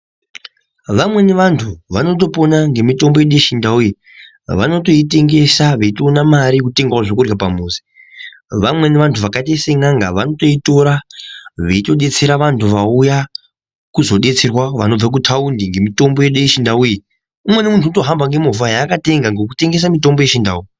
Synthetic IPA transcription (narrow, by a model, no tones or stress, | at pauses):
ʋamwe̞neʋantʰuʋano̞t̬o̞po̞naŋɡe̞mito̞mbo̞jeɗujeʃindauji | ʋa̰no̞to̞ite̞ŋɡe̞saʋeitoːnamaɾikute̞ŋɡwaʐokurjapamuːze̥ | ʋamwe̞neʋantʰuʋakatese̞ŋɡaŋɡa̰ʋano̞to̞ito̞ɾaʋeito̞ɗe̞t͡se̞ɾaʋantʰuʋauja | kuzo̞ɗe̞t͡se̞rwaʋano̞b͡vak̬utʰaundiŋɡemito̞mbo̞jeɗujeʃindauji | umwe̞nemuntʰutoɦambaŋɡe̞mufajakate̞ŋɡaŋɡek̬ute̞ŋɡe̞s̬amito̞mbo̞je̞ʃinda̰uji